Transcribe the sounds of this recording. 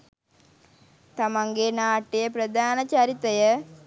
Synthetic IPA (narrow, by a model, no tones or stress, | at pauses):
t̪ɐmɐŋɡenaːʈːijɐpɾɐd̪ʱaːnɐt͡ɕaːɾit̪ːɐjɐ